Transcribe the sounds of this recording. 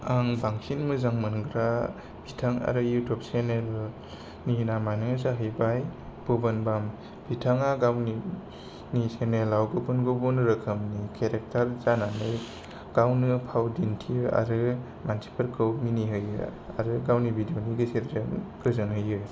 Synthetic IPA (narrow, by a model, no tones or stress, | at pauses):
aŋbaŋsinmɯzaŋmɯnɡɾa | b̥ʱitʰaŋa̰ɾɯjutʰɔp̚senel | ninamanɯzaɦɯjbajb̥ubɯnbam | b̥ʱitʰaŋaɡawni | nisenelːawɡɯbɯnɡubunɾɯkʰəmnikʰeɾek̚tʰaɾzananɯj | ɡ̥awnɯpʰawdintʰijɯʔa̰ɾɯ | mansi̥pʰɯɾkʰɯwminiɦɯjɯ̰ | a̰ɾɯɡawnibidioniɡɯsiɾzɯŋkɯzɯnhɯjɯ